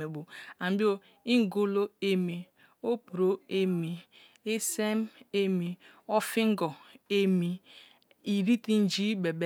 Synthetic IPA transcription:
e˨bo˨a˨m̩˨bi˦o˦ | i˦ŋ̩˦ɡo˦lo˦e˦mi˨ | o˦pu˨ɾo˦e˦mi˨ | e˦se˦m̩˦e˦mi˨ | ɔ˦fi˦ŋ̩˦ɡɔ˨e˦mi˨ | i˨ɾi˦ti˦n̩˦d͡ʒi˦be˨be˦

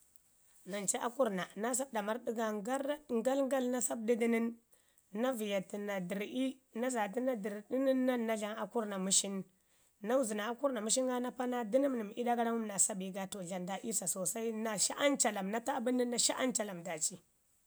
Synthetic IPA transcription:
na˨nt͡ʃi˦ʔa̰˦ku˦ɾna˨na˦s̬a˦bda˨ma˦ɾdi˦ɡa˦a˦ɾŋɡa˦lŋ˦ɡa˦lna˦sa˦b̚di˦di˦ni˦nː | a˦vi˨ja˨ti˨na˨di˨ɾi˦ | na˦za˨ti˦na˦di˨ɾdi˦ni˦nːa˦nːa˦ɮa˦ŋa˨ku˦ɾna˨mu˦ʃi˦nː | a˦wu˦zi˨na˨a˨ku˦ɾna˨mu˦ʃi˦ŋɡa˦na˦pa˦na˦di˦ni˦mni˨m˨i˦da˦ɡa˦ɾa˦mu˦mna˨sa˦bi˦ɡa˦to˨ɮa˨nda˨˦ʔi˦sa˨so˨sa˦i˦na˨ʃa˦ʔa˦nt͡ʃa˨la˨mna˦ta˦˨bi˦ni˦nːa˨ʃa˦ʔa˦nt͡ʃa˨la˨mda˨t͡ʃi˦

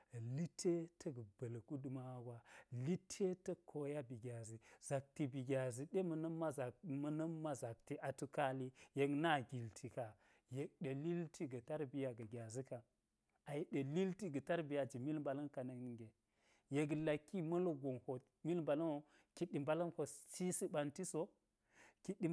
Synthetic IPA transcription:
li˦tʰe˦tʰɐ˦ɡə˨bɐ˨lku˦du˨ma˦ɡʷa˨li˦tʰe˦tɐ˦kʰo˦ja˦bi˨ɡʲa˨zi˨z̥a˨k̚ti˨bi˨ɡʲa˨zi˨ɗe˦mɐ˨nɐ˦mːa˦za˨mɐ˦nɐ˦mː˦a˦za˨k̚ti˦ʔa˨tu˦ka˦li˦je˨kna˦˨ɡʲi˨ltʰi˨ka˨ | je˨k̚ɗe˨li˦ltʰi˦ɡɐ˨ta˦ɾbi˨ja˨ɡɐ˨ɡʲa˨zi˦ka˨ | a˨je˨ɗe˨li˦lti˦ɡɐ˨ta˦ɾbi˨ja˨d͡ʒi˨mi˦lmba˨lɐ˦nka˨nɐ˨kn˨ɡe˨ | je˨ɡla˨kːi˦mɐ˦lo˦ɡo˨nho˨ | mi˦lmba˨lɐ˦no˦ | ki˨ɗːi˨mba˨lɐ˦nko˨t͡ʃi˦si˦ba˨nti˦so˦ | ki˦ɗːi˦

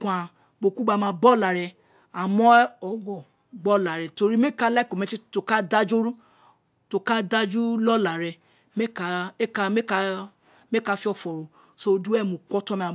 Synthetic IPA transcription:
kʷa˨ | ɡ͡bo˨ku˦ɡ͡ba˧˨mã˧bɔ˦˨la˨ɾɛ˧ | a˨mɔ˦ɔ˨ɡɔ˨ | ɡ͡bɔ˦la˨ɾɛ˨to˧ɾi˦me˦ka˦la˦˨ko˨me˦t͡ʃi˦to˨ka˦da˦d͡ʒo˦ɾu˦ | to˨ka˦da˦d͡ʒu˦lɔ˦la˨ɾɛ˨ | me˦ka˨e˦ka˧me˦ka˦ | me˦ka˦fi˦ɔ˨fɔ˨ɾo˨ | so˦du˦ɛ˦˨mũ˨kʷɔ˦tɔ˦me˨

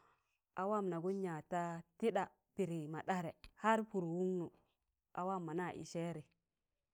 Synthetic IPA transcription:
ʔa˨wa˦mna˨ɡu˦n˦a˨ta˦ti˦ɗa˨ | pi˨ɾi˨ma˨ɗa˦ɾe˨ha˦ɾpu˨ɾwu˦ŋnu˨ | a˨wa˦˨mːa˨na˦˨ʔḭ˨ʃe˦ɾi˨

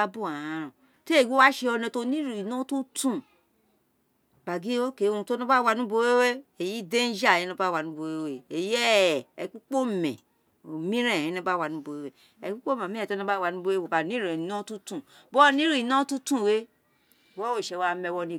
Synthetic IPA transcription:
a˦bu˦˨a˨ã˨˦ɾɔ̃˨ | te˦˨wo˦wa˦ʃe˧ɔ˧nɛ̃˧to˦nĩ˦ɾi˨i˨nɔ̃˦tu˦tũ˦˨ | ba˨ɡi˦o˦ke˨˦o˧ũ˧to˦nɔ̃˦ba˦wa˧nũ˦bo˧˦we˦we˦e˨ji˦de˦n̩˦d͡ʒa˦˨jĩ˨˦nɔ̃˧˦ba˦˨wa˧nũ˦bo˧we˦we˦e˨jɛ˦˨ɛ˨˦k͡pu˦k͡po˦mɛ̰̃˨ | o˨mĩ˦ɾɛ̃˦˨ɛ̃˨˦nɔ̃˧˦ba˦wa˧nũ˦bo˧we˦wɛ˦ | ɛ˨ku˦k͡po˦mã˨ĩ˦˨to˦nɔ̃˧˦ba˦˨wa˧nũ˦bo˧˦e˦o˨ba˨nĩ˦ɾɛ̃˨nɔ̃˦tu˦tũ˦˨bɔ˦nĩ˦ɾi˦˨i˨nɔ̃˦tũ˦tũ˦˨we˦˨ | wɔ˦wo˦˨ʃe˧˨wa˧mɛ̃˧wɔ˧nĩ˧˨

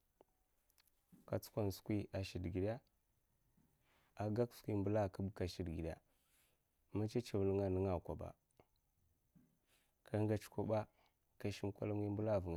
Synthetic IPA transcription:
ka˨t͡su̥˦kʷa˦˨n˨su̥˨kʷi˦a˨ʃi˨dɡi˨da˦ | a˨ɡa˦kskʷi˦˨mbə˦la˦˨ka˦bka˨ʃi˨dɡi˨ɗa̰˨ | ma˦t͡ʃa˦t͡ʃi˨vlə˦ŋa˨nə˦ŋa˨kʷa˨ɓa̰˨ | kʰa˦ŋɡa˨t͡ʃkʷa˨ɓa˦ | ka˨ʃi˦m˦kʷa̰˦la˦ŋi˦mbə˦la˦˨və˨ŋa˨

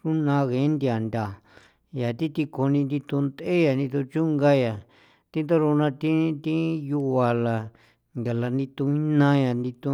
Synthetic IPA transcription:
ɾu˦nã˧ɣẽ˨˦nd̪i˧a˨nd̪ʲa˨ | ja˨t̪i˦t̪i˧ko˧nĩ˧nd̪i˧t̪u˧nd̪e˦ja˨nd̪ĩ˧t̪u˧t͡ʃu˦ŋɡa˦ja˨ | t̪ĩ˦nd̪o˦ɾu˧nã˧t̪ĩ˦t̪ĩ˦ju˧wa˨la˨ | ŋɡa˨la˧nd̪ĩ˧t̪ũ˧ĩ˦nã˦ja˨nd̪i˧t̪ũ˧

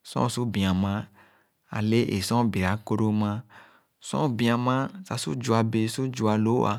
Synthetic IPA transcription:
sɔ̰̃˦su˦bĩ˨a˨mã˦ | a̰˨le˦ʔe˨sɔ̃˦be˨a˨˦ko˦ɖo˦mã˦ | sɔ̰̃˦bĩ˨a˨mã˦sa˨su˦d͡ʒu˨a˨be˨su˦d͡ʒu˨a˨lo˦a̰˨

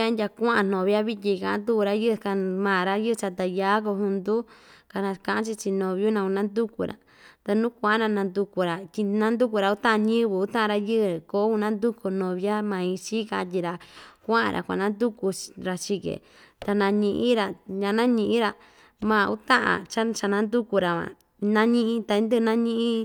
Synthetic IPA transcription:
a˦ndʲa˧kʷã˦ʔã˧˨n̥õ˨βa˦βi˦t̪̬ʲi˧kã˧ʔã̰˦nd̪u˦ku˧ɾa˧jɨ˦˧ka˧mãː˨ɾa˦jɨ˦˧t͡ʃa˧t̪a˧˨jaː˦k̬o˧hũ˧nd̪u˦ka˧nã˧kã˧˨ʔã˦t͡ʃi˧t͡ʃi˧nõ˨βju˦nã˧u˧nã˦nd̪u˦ku˧ɾa̰˨ | t̪a˧nũː˦kʷã˧ʔa˦nã˧nã˧nd̪u˧ku˧ɾa˨t̪ʲi˧nã˦nd̪u˦k̬u˧ɾa˧u˦t̪ã˦ʔã˧nĩ˦βɨ˨u˦t̪ã˦ʔɾa˧jɨ˦ɨ˧ko˨˦u˧nã˦nd̪u˦ko˧nõ˧˨βja˦mã˧ĩ˧t͡ʃi˦ka˧ʔt̪̬ʲi˧ɾa˧kʷã˦ã̰˧ɾʔa̰˨kʷa̰˧˨nã˦nd̪u˦ku˧ɾa˧t͡ʃi˧kḛ˨ | t̪a˧nã˧ɲĩ˧ʔĩ˦ɾa˧ɲã˧nã˦ɲĩ˧ʔĩ˦ɾa˧ | mã˧˨˧u˦t̪ã˦ʔã̰˧t͡ʃa˦t͡ʃa˧nã˧˦nd̪u˦ku˧ɾa˨ã̰˨ | nã˦ɲĩ˦˧ʔĩ˦t̪a˧ĩ˧˦nd̪ɨ˦˧nã˦ɲĩ˦ʔĩ˦

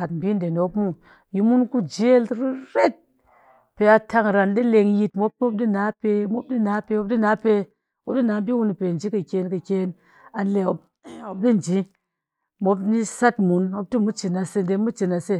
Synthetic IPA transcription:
a˨tm̩˨bʲi˦nde˨no˨˦pmu˦ | ji˧mu˦nku˦d͡ʒe˦lɾi˦ɾe˦t̚ | pe˧a˧ta˧ŋɾa˨ndi˦le˧ŋji˧t̚mo˦p̚mo˦p̚di˦na˨˦pe˧mo˦p̚di˦na˨˦pe˧˦wo˦p̚di˦na˨˦pe˧ | o˨˦p̚di˦na˨˦bi˦wu˧ni˨pe˨n̩˨d͡ʒi˨˦kɨ˨kʲe˧nkɨ˨kʲeː˧n | a˧n˦le˧o˨ | o˨p̚di˦n˨d͡ʒi˨˦ | mo˨˦p̬ni˦sa˦tmu˨˦nmo˧p̚tɨ˦mu˦t͡ʃi˨na˧se˧n˨de˧mu˦t͡ʃi˨na˧se˦˨

